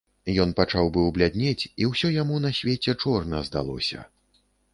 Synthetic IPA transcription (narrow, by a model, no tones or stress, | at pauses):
jɔn̪pat͡ʂawbɨwblʲad̪ʲnʲet͡sʲiwsʲɔjamun̪ɐsʲvʲet͡sʲɛt͡ʂɔrnɐzd̪a̰lˠɔ̰sʲɐ̰